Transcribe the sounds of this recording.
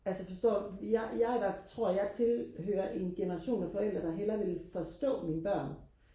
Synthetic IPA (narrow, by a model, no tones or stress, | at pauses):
ælsəfɒ̽sd̥ɔ̰ːijaɪjɑɪʋæɐft͡sʰʁo̝ɐ̰jɑ̈ɪt͡sʰe̝lɦø̰ːɐʔe̝nɡ̥e̝nɐʁɑ̈ɕo̝̰ːnæfɒ̽el̰d̥ʁɐd̥ɑ̈ɦelɐʋe̝lfɒ̽sd̥ɔ̰̽ːminəb̥ɶɐ̰n